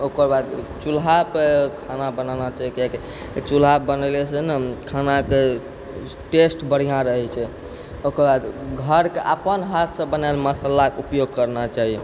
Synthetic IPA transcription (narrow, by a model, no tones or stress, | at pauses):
okəɾbad̪t͡ʃulɦapekʰanabənanat͡ʃaɦikke | t͡ʃulɦabənəlesenəkʰanake | ʈesʈbəɽ̤ijãɾəɦɛt͡ʃʰɛ | okəɾbad̪ɡʱəɾkeʔapənɦat̪ʰsə̃bənalməsəlakeupjoɡ̚kəɾnat͡ʃaɦiɛ